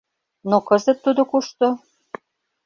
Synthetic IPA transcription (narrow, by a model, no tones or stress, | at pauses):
nokɤzət̪ːud̪okuʃt̪o